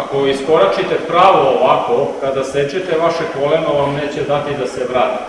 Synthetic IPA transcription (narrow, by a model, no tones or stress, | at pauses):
ako̞iskoɾat͡ʃit̪epɾaːʋoːʋako̞kad̪aset͡ɕet̪eʋaʃekolenoʋamneːt͡ɕed̪at̪id̪aseʋɾaːt̪i